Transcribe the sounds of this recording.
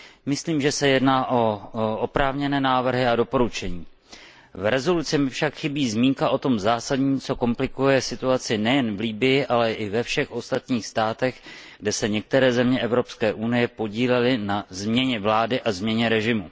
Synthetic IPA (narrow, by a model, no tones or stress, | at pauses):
mɪsliːmʒɛsɛjɛdnaːʔo̞opɾaːvɲɛnɛːnaːvr̩ɦɪado̞po̞ɾut͡ʃɛɲiː | vɾɛzo̞lut͡sɪmɪfʃakxɪbiːzmiːŋkaʔo̞t̪o̞mzaːsadɲiːt͡so̞ko̞mplɪkujɛsɪt̪uat͡sɪnɛjɛnvliːbɪjɪʔalɛʔɪvɛfʃɛxʔo̞st̪at̪ɲiːxst̪aːt̪ɛɣɡdɛsɛɲɛk̚t̪ɛɾɛːzɛmɲɛʔɛvɾo̞pskɛːʔunɪjɛpo̞ɟiːlɛlɪnazmɲɛɲɛvlaːdɪʔazmɲɛɲɛɾɛʒɪmu